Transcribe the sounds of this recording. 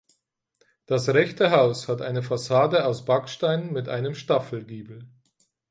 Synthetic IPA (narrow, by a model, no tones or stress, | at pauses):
d̥asʁɛçtəɦaʊshatʔaɪnəfasaːdəaʊsb̥akʃtaɪnmɪtʔa̰ɪnəmʃtafl̩ɡiːbl̩